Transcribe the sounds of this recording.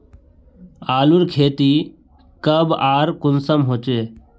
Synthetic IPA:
aːluɾkʰeːt̪i | kəbaːɾkʊnsəmɦoːt͡ʃeː

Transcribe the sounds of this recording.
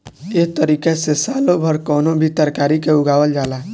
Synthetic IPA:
eɦt̪əɾikesesalobʱəɾkɔːnobʱit̪əɾkaɾikeuɡaʋəld͡ʒala

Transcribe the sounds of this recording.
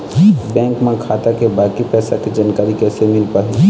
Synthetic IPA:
bɛ̃ːŋkmẽkʰaːt̪akebaːkipɛːsakid͡ʒaːnkaːɾikɛːsemɪlpaɦ

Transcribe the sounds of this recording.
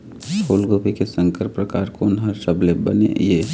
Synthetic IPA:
ʃoːlɡopikesə̃ŋkəɾpɾɐkaːɾkoːnɦɐɾsəblebɐnḛjeː

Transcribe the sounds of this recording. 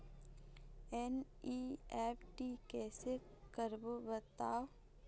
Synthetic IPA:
ɛn | iɛːpʰʈikɛːse | kəɾbobət̪aːw

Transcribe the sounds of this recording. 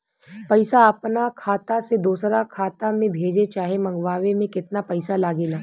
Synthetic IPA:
pɐɪsaɐpnakʰaːt̪ased̪uːsɾakʰaːt̪amẽbʱeːd͡ʒet͡ʃaːɦemɐ̃ŋɡʋaːʋemẽkɪt̪napɐɪsalaːɡeːlaː

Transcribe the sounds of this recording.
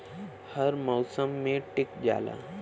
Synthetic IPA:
hɐɾmɔːsəmːẽʈɪkd͡ʒa̰ːla̰ː

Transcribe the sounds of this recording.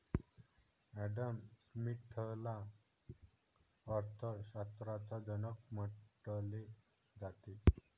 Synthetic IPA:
ɛɖəmsmiʈʰəla | əɾt̪ʰəɕat̪ɾat͡sad͡zənək̚məʈəli | d͡zat̪i

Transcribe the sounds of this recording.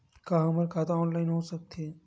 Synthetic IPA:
kaɐməɾkʰaːt̪aɔːnlaːɪnɦoːsɐk̚t̪eɦɛː

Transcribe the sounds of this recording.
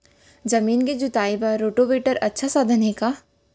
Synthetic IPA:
d͡ʒɐmiːnked͡ʒʊt̪aːibɐɾoːʈobeːʈəɾɐtːʃʰasaːd̪ʱənɦeka

